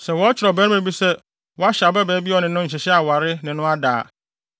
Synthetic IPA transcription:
sɛ˨wɔ˦t͡ɕʰɪ˨ɾɔ˨bɛː˨˦ɾmẽ˨bi˦sɛ˦ | wɔ˦a˦ɕa˨bɛ˦bɛː˨˦bi˦ɔ˨nɪ̃˨nʊ̃˦ɲ̩˨ɕɪ˨ɕɛ˦a˨wa˨ɾɪ˦nɪ̃˨nʊ̃˦a˦da̰ː˨

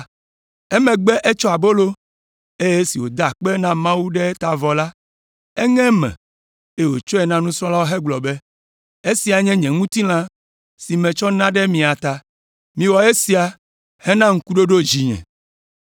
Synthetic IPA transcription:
e˦mɛ̃˨ɡ͡bɛ˦ʔe˦t͡ʃɔ˦a˨bo˦lo˦ | e˦je˦si˨wo˨d̪a˨k͡pɛ˦nã˦mã˦wu˦ɖɛ˦t̪a˨vɔ˨la˦ | ɛ˦ŋɛ̃˦mɛ̰̃˨ | e˦˨wo˨t͡ʃɔ˦ɛ˨nã˦nũ˦sɾ̃ɔ̃˦la˦wo˦ɦɛ˦ɡ͡blɔ˨be˦ | e˦si˨a˨ɲɛ̃˦ɲɛ̃˨ŋũ˦t̪i˦l̃ã˦ | si˨mɛ̃˨t͡ʃɔ˦nã˦ɖɛ˦mĩ˨a˨t̪a˨ | mĩ˨wɔ˨e˦si˨˦a˨ | hɛ˦nã˦ŋ̩˦ku˦ɖo˦ɖo˦d͡ʑi˨ɲɛ̰̃˨

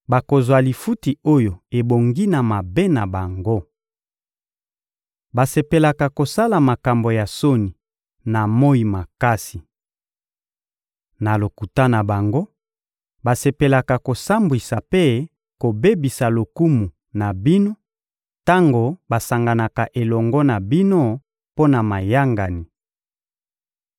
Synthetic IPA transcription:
ba˨ko˨zwa˨li˨fu˦ti˨o˦jo˨e˨bo˨ŋɡi˦na˨ma˨be˦na˨ba˨ŋɡo˦ | ba˨se˨pe˨la˨ka˨ko˨sa˦la˨ma˨ka˨mbo˨ja˨so˦ni˨ | na˨mo˦i˨ma˨ka˦si˨ | na˨lo˨ku˨ta˦na˨ba˨ŋɡo˦ | ba˨se˨pe˨la˨ka˨ko˨sa˦mbwi˨sa˨pe˦ | ko˨be˦bi˨sa˨lo˨ku˦mu˨ | na˨bi˦no˦ | ta˦ŋɡo˨ba˨sa˨ŋɡa˨na˨ka˨ʔe˨lɔ˨ŋɡɔ˦na˨bi˦no˦ | po˦na˨ma˨ja˦ŋɡa˨ni˨

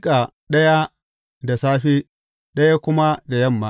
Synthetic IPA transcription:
kʼa˨ | ɗɐ˦ja˦ | da˨saː˦ɸe˦ | ɗɐ˦ja˦kʷʊ˦ma˦da˨jɐ˦˨mːa˦

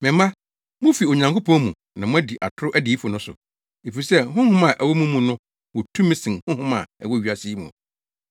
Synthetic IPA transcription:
mɪ̃˨mː˦ã˦ | mʊ̃˦fi˨o˨ɲã˨ŋkʰo˦pʰɔ̃˦mũ˨ | nã˨mʊ̃˦æ˦di˨ʔa˨tʰʊ˦ɾʊ˦ʔæ˦diː˨˦fʊ˨nʊ̃˦sʊ̰˨ | e˨fi˨sɛ˦˨ɦʊ̃˦hʊ̃˦mã˨ʔæ˨wɔ˦mũ˦mũ˨nʊ̃˦ | wɔ˨tʰũ˦mɪ̃˦sɪ̃˨nhʊ̃˦hʊ̃˦mã̰˨æ̰˨wɔ˦ɥi˨a˨si˦mṵ̃˨

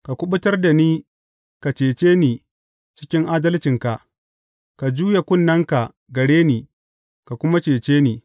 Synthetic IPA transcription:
ka˨kʷʊ˦ɓʊ˦tɐ˦rda˨niː˦ | ka˨t͡ʃeː˨t͡ʃeː˦niː˨ | t͡ʃɪ̥˦kʲɪ˦ŋʔaː˦dɐ˦lt͡ʃɪ˨ŋka˨ʔ | ka˨d͡ʒuː˦ja˨kʷʊ˦nːɐ˦ŋka˨ | ɡɐ˨ɽeː˦niː˨ | ka˨kʷʊ˦ma˦t͡ʃeː˨t͡ʃeː˦niː˨

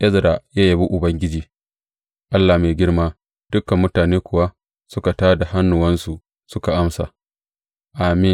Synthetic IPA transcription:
ʔɛ˦zɾa˨jaː˦ja˨bi˦ʔʊ˨bɐ˦ŋɡʲɪ˦d͡ʒiː˨ | ʔa˦lːa˨meː˨ɡʲɪ˦ɽmaː˦ | d̥ʊ˦ka˨mːʊ˦taː˨neː˦kʷʊ˨wa˦ | sʊ˦ka˨taː˦da˨ɦa˦nːʊ˨wɐ˦nsu˨ | sʊ˦ka˨ʔa˦msa̰˨ | ʔa˨mɪ˦n

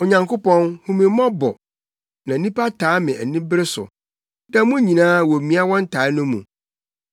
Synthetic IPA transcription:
ɔ˨ɲã˨ŋko˦pɔ̃˦nhũ˨mĩ˨˦mɔ̃˦bɔ̰˨ | nã˨˦nĩ˦pa˦tʰaː˨˦mɪ̃˨æ˨nĩ˦bɪ˦ɾɪ˦sʊ̰˨ | da˦mũ˦ɲĩ˨nãː˦wɔ˨mĩ˦a˦wɔ̃˦n̩˦tʰaː˨˦nʊ̃˦mṵ̃˨

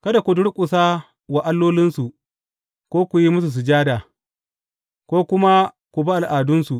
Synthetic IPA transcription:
kɐ˦da˨kʷu˨dʊ˦ɽkʷʼʊ˨saː˦ | wa˨ʔa˦lːoː˦lɪ˦nsu˨ | kʷoː˦kʷu˨ji˦mʊ˦s̬u˨s̬u˨d͡ʒaː˦daː˨ | kʷoː˦kʊ˦ma˦ | kʷu˨ba˦ʔa˨lʔaː˨dʊ˦nsu˨ʔ

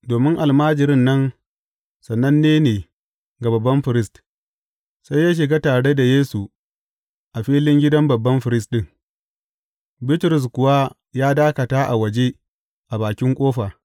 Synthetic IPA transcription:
doː˨mɪ˦ŋʔa˨lmaː˦d͡ʒɪ˨ɾɪ˦nːɐ˦n | sɐ˨nːɐ˦nːeː˦neː˨ | ɡa˨bɐ˨bːɐ˦mɸɪ˨ɾɪ˦st | sa˦jːaː˦ʃ̬ɪ˨ɡaː˦taː˨ɽe˦da˨jeː˦su˨ | ʔa˨ɸiː˦lɪ˦ŋɡʲɪ˦dɐ˦mbɐ˨bːɐ˦mɸɪ˨ɾɪ˦s̬ɗɪ˦ŋ | bɪ˦tɾʊ˨s̬kʷʊ˨wa˦ | jaː˦daː˦kɐ˨taː˦ʔa̰˨wɐ˨d͡ʒe˦ | ʔa˨baː˨kʲɪ˦ŋkʷʼoː˦ɸa˨

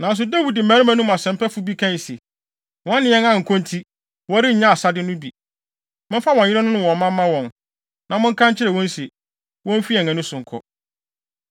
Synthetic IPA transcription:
nã˨n˦s̬ʊ˨dæ˦wi˨dɪ˨mæ̃˨˦ɾɪ̃˦mã˦nũ˦m˨a˨sɛ̃˨m˦pɛ˦fʊ˦bi˦kʰã˦n˨se˨ | wɔ̃˨˦nɪ̃˨ɛ˦ŋã˦ŋ̩˨kʰɔ̃˦ntʰi˦ | wɔ˦ɾɪ˦ɲ̩˨ɲã˦a˨sa˦dɪ˦nʊ̃˦bi˨ | mʊ̃˦fa˦wɔ̃˨ɪ˦ɾɛ˦nʊ̃˦nʊ̃˦˨wɔ̃˨mã˦mː˦ã˦wɔ̃˨n | nã˨mʊ̃˦ŋ̩˦kʰã˦ɲt͡ɕʰɪ˦ɾɛ˨wɔ̃˦n˦se˨ | wɔ̃˦m̩˦fi˦ɛ˨ɛ̃˨nʊ̃˦sʊ̃˨ŋ̩˨kʰɔ̰˦

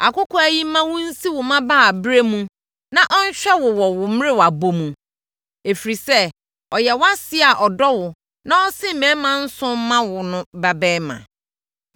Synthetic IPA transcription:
a˨kʊ˦kʰɔ˦æ˨ji˦mã˦wʊ̃˦n̩˦si˦wʊ˨mã˦ba˦˨bɾe˦mũ˦ | nã˨ʔɔ˦n˦ɕᶣɛ˦wʊ˨wɔ˨wʊ˨m˦ɾɪ˦wa˨bo˦mũ˨ | e˨fɾi˨sɛ˦ | ɔ˨jɛ˨wa˦sɪ˦a˨ʔɔ˨dɔ˦wʊ˨ | nã˦ɔ˦sɪ̃˦m̩˨mɛ̃˨˦mã˦n̩˦sʊ̃˦mã˦wʊ˨nʊ̃˦ba˨bɛ˦mã̰˨

